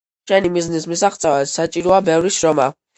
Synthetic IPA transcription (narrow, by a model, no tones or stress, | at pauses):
ʃɛnimiznismisaχt̪sʼɛvatsat͡ʃʼiɾɔabɛvɾiʃɾɔma